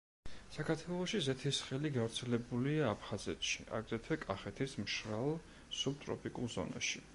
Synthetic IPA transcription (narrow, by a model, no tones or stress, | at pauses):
sakʰaɾt̪ʰwɛlˠɔʃizɛt̪ʰisχɛliɡavɾt̪sʰɛlɛbuliaːpʰχazɛt̪ʃḭʔa̰ɡzɛt̪ʰwɛkʼaχɛt̪ʰismʃɾalˠ | sub̚t̪ʼɾɔ̰pʰikʼulˠzɔ̰na̰ʃi